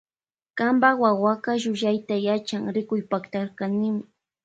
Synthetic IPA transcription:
kambawawaɢɑʒʊʒajt̪ajat͡ʃaŋɾɪkʊjpakt̪aɾkanɪmɪ

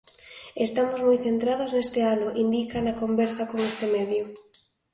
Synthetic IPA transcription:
est̪amozmojθent̪ɾaðoznest̪ɪanʊʔind̪ikanɐkombɛɾsɐkoŋest̪emɛðjʊ

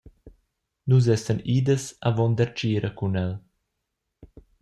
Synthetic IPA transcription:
nuz̬ɛsəniːd̪əsavɔnd̪ɛɾt͡ʃiːɾʔəkunɛl

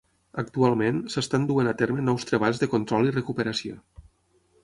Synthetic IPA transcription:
ək̚t̪ualˠmensəst̪and̪uenat̪eɾmənɔwst̪ɾəβ̞aʎzðəkont̪ɾɔlˠirəkupəɾəsio̰

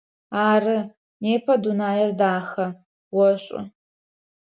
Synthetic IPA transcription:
aːrɨ | neːpʰɐdunaːjɐrdaːxɐ | wɔɕʷʼʊ̰

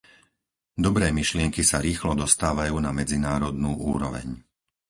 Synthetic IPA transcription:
d̪ɔbɾɛːmiʃlɪɛŋkisaɾiːxlɔd̪ɔst̪aːʋajuːnamɛd͡zinaːɾɔd̪nuːʔṵːɾɔʋɛ̰ɲ

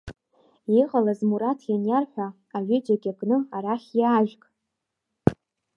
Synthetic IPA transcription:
iʁʼalazmuɾatʰjanjarħʷᶣaː | ɥʷɪd͡ʒaɡʲaɡʼnɨaɾaχʲjaːʒᶣkʼ

